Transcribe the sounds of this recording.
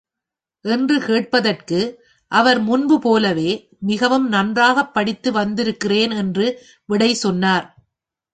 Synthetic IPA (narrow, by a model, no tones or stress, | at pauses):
ʔɛndrɯkeːʈ̚pɐðɐrkɯ | ʔɐʋɐɾmʊnbɯpoːlɐʋeː | mɪɣɐʋɯmnɐndraːɣɐpːɐɽɪt̪ːɯʋɐnd̪ɪɾɯkːɪreːnɛndrɯ | ʋɪɽɐɪsɔnːaːɾ